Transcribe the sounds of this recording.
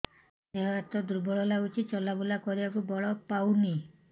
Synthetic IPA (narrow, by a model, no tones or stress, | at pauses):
eɦɔat̪ɔd̪uɾbɔɭɔlaut͡ʃʰit͡ʃɔlabulakɔɾibakubɔɭɔpawni